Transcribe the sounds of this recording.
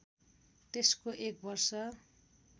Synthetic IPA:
t̪eskoʔek̚bʌrsʌ

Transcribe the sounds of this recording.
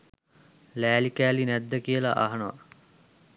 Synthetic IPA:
læːlikæːlinæd̪ːəkijəla̰ʔa̰ɦɐnəʋa̰

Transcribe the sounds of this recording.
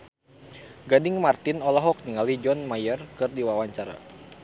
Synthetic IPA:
ɡadɪŋmart̪ɪnɔlɔɦɔk̚niŋalid͡ʒɔnmajərkɨrdiwawaɲt͡ʃaɾa̰

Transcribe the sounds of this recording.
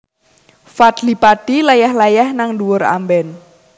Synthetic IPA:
fad̪lipad̥ilajahlajahnaŋduwʊɾa̰mbɛn

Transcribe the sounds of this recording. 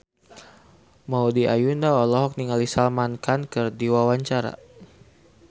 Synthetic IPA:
maudiʔajundaɔlɔɦɔk̚niŋalisalmankankərdiwawaɲt͡ʃaɾa̰

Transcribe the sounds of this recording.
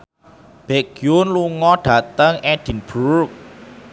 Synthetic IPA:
b̥eɡ̥iʊnluŋɔɖ̥a̤t̪əŋɛɖ̥i̤nb̥urk̚

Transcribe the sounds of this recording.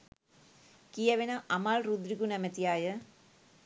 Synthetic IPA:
kiɛʋenaʔamalrud̪ɾiɡunɛmət̪iajə

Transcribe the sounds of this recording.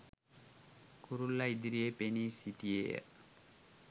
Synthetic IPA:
kʰuɾulːaid̪iɾiepenisit̪iḛ

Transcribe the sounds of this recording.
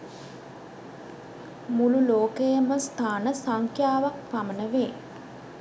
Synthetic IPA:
mululoːkəjəməst̪ʰaːnəsaŋkʰjaːʋak̚pamənəʋeː

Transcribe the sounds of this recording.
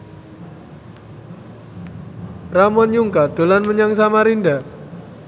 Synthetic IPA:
ramɔnjuŋkad̪̥o̤lanməɲaŋsamaɾinda

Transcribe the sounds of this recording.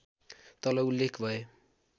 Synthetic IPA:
t̪ʌlʌulːekʰbʱʌe

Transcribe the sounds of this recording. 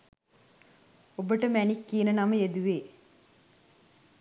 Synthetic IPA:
obəʈəmænikːiənənaməjed̪uʋeː

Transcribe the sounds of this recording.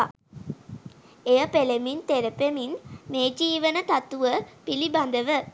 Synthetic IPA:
ejəpelemint̪eɾəpeminmeːd͡ʒiːʋənət̪at̪uʋəpiliband̪əʋə

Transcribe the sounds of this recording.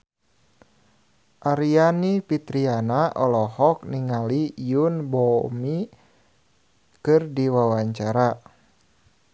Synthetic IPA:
ʔaɾianipit̪ɾianaʔɔlɔhɔk̚niŋalijunbɔmi | kɨrdiwawaɲt͡ʃaɾa

